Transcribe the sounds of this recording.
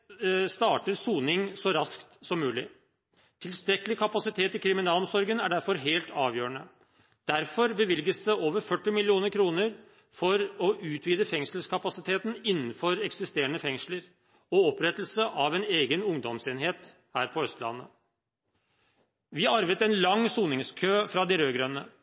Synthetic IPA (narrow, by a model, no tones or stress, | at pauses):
st̪ɑːʈəɾsuːnɪŋsɔɾɑskt̪sɔmːʉːlɪ | t̪ʰɪlst̪ɾɛkːəlɪkʰɑpɑsɪt̪ʰeːt̪ɪkʰɾɪmɪnɑːlɔmsɔɾɡənæɖæɾfɔɾɦeːlt̪ʰɑːʋjøːəɳə | d̪̥æɾfɔɾbəʋɪlɡəsd̪ɛʔoːʋəɾfœʈːɪmɪlɪuːnəɾkʰɾuːnəɾ | fɔɾɔʔʉːt̪ʰʋiːd̪əfɛŋʂəl̩skʰɑpɑsɪt̪ʰeːt̪n̩ɪnːn̩fɔɾɛksɪst̪eːɾəɳəfɛŋʂləɾ | ɔɔpɾɛt̪l̩səʔɑʋɛneːɡənʊŋd̪ɔmseːnɦeːt̪ | hæːɾpʰɔœst̪lɑ̰nːə̰ | ʋɪɑɾʋət̪ɛnlɑŋsuːnɪŋskʰøːfɾɑd̪ɪɾøːɡɾœnːə